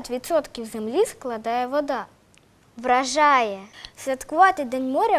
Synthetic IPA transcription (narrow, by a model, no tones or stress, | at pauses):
tʲʋʲit̪sɔt̪kʲiwzemlʲisklˠɐd̪ɑjɛʋɔd̪ɑ | ʋɾɐʒɑjɛsʲʋʲɐt̪kʊʋɑt̪ed̪ɛnʲmɔɾʲɐ